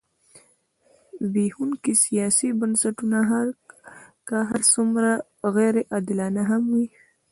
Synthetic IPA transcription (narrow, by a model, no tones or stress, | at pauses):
wihunkisijɑsibansaʈunaɦaɾ | kaɦaɾsumɾa | ɣeɾeʔɑd̪ɪlɑnaɦamwi